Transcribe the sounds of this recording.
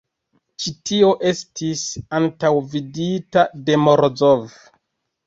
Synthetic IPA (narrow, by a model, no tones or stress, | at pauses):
t͡ʃitio̞ʔe̞stʰisantawviditade̞mo̞ɾzov